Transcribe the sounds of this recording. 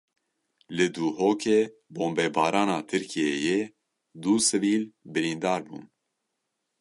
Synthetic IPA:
lɨd̪uːhoːkʰeːboːmbɛbɑːɾɑːnɑːt̪ʰɨɾkʰijejeː | d̪uːsɨviːlbɨɾiːnd̪ɑːɾbṵːn

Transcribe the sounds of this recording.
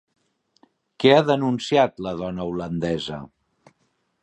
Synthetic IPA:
kɛaðənunsiat̪ləðɔnəulənd̪ɛzə̰

